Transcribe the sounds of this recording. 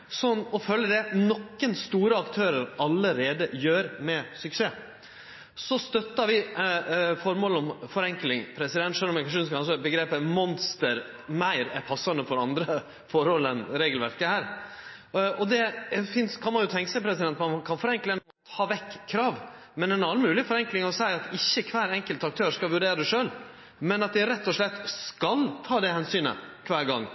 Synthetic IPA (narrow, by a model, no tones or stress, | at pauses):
sɔnːɔfœlːəd̪ɛnɔkːənst̪uːɾəɑkt̪ʰøːɾəɾɑlːəɾeːd̪əjøːɾmɛsʏkseː | sɔst̪œt̪ːɑɾʋɪ | fɔɾmoːlɔmfɔɾɛŋklɪŋpʰɾɛsɪd̪ɛnt̪ʂølɔmɛkɑʂuːnskɑɑs̬ɔbəɡɾeːpəmɔnst̪əɾ | mæɪɾæɾpʰɑsːɑnəfɔɾɑnd̪ɾə | fɔɾɔlənɾeːɡəlʋæɾkəhæːɾ | ɔd̪ɛfɪnskʰɑnmɑnjʊt̪ʰɛŋkəsæɪpʰɾɛsɪd̪ɛnt̪mɑnkʰɑnfɔɾɛŋklənɔmɔt̪ʰɑːʋɛkʰːɾɑːʋmɛnɛnɑlmʉːlɪfɔɾɛŋklɪŋɔsæɪɑt̪ɪçːəkʰʋæːɾɛŋkəlt̪ɑk̚t̪ʰøːʂkɑlʋʉɖeːɾəd̪ɛʂøːl | mɛnɑt̪̚d̪ɪɾɛt̪ːɔʂlɛt̪ːskɑlt̪ʰɑːd̪ɛhɛnsyːnə̰kʰʋæːɾɡɑŋː